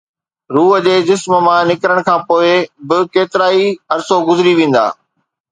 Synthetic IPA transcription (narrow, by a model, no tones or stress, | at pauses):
ɾuːɦə̆d͡ʑeːd͡ʑɪsmə̆mãnɪkɾəɽ̃kʰãːpoːɪbɪkeːt̪ɪɾaːiɦɐɾsoɡʊzɪɾiʋẽːn̆d̪a̰ː